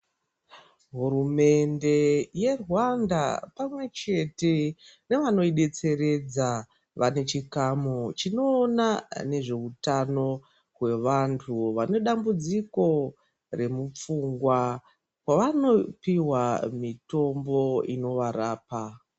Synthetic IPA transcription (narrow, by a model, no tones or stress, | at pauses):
ɦuɾume̞nde̞je̞rwanda̰pamwe̞t͡ʃe̞te̞ne̞ʋano̞iɗe̞t͡se̞ɾe̞d͡za | ʋane̞t͡ʃikamot͡ʃino̞ːnane̞ʐe̞utano̞ | ɦwe̞ʋantʰuʋane̞ɗambud͡ziko̞ | re̞mup͡fuŋɡwa | kwaʋano̞piwamito̞mbo̞ḭno̞ʋaɾaːpa